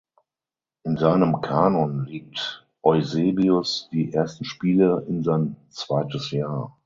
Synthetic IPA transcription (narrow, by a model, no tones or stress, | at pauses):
ʔɪnzaɪnəmkʰaːnɔnliːk̚t | ʔɔʏzeːbiʊsd̥iːʔeɐstn̩ʃpiːləʔɪnzaɪnt͡sv̥aɪtəsjaːɐ